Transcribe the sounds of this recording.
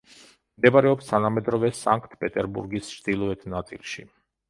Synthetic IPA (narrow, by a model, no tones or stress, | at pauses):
md̪ɛbaɾɛɔpst̪ʰanamɛd̪ɾɔvɛsaŋkʰt̪ʰpʼɛt̪ʼɛɾbuɾɡisʃd̪̥ilˠɔɛt̪ʰnat̪sʼḭlˠʃi